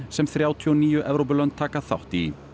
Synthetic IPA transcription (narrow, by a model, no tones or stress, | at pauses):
sɛmθɾjaːwt̪ʰiɔniːjʏʔɛvɾowp̬ʏlœnt̪t̪ʰːaːkaθa̰wht̪i